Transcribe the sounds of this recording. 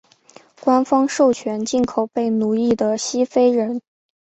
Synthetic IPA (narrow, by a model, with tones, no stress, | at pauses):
kwa˥nfɑ˥ŋʂo˥˩ʊt͡ɕʰɥɛ˧˥nt͡ɕi˥˩nkʰo˨˩ʊpe˥˩ɪnu˧˥i˥˩d̪ə˩ɕi˥fe˥ɪɻə˧˥n